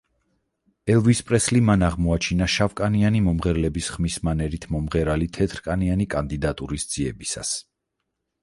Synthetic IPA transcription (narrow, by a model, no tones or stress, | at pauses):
ɛlˠvispʼɾɛslimanaʁmɔat͡ʃʰinaʃavkʼanianimɔmʁɛɾlɛbisχmismanɛɾit̪ʰmɔmʁɛɾalit̪ʰɛt̪ʰɾkʼanianikʼand̪id̪at̪ʼuɾisd̪z̥iɛbisa̰s